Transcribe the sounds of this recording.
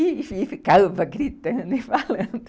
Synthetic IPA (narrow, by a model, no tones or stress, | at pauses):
ififikalvɐɡɾit̪ɐ̃nd̪ɪfalɐ̃nd̪